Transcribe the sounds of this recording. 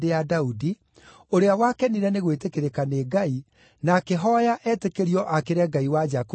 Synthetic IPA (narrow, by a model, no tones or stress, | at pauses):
dejadaudi | oɾeawakɛniɾɛneɣwetekeɾekaneɡai | nakeɦɔjaʔɛtekeɾiɔʔakeɾɛɡaiwad͡ʒak